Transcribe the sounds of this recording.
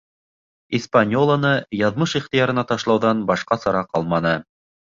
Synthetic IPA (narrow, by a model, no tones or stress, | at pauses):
ispanʲolˠənɤjɑðmɤʃiχt̪ɤjɑɾɤ̆nɑt̪ɑʃlˠɑwðɑnbɑʃqɑsɑɾɑqɑlˠmɑnɤ